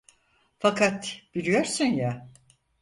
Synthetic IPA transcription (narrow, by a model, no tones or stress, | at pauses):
fakat̪b̥ilijo̞ɾsɯnja